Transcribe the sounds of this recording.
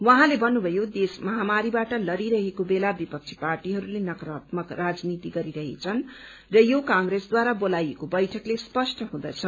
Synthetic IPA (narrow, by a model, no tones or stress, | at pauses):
wʌɦãlebʱʌnːubʱʌjod̪esmʌɦamaɾibaʈʌlʌɾiɾʌɦekobelabipʌk̚t͡sʰi̥parʈiɦʌɾulenʌkrʌt̪mʌkrad͡znit̪iɡʌɾiɾʌɦḛt͡sʰʌn | rʌjokãŋɡɾesd̪waɾabolajekobʌjʈʰʌklespʌsʈʌɦũd̪ʌt͡sʰʌ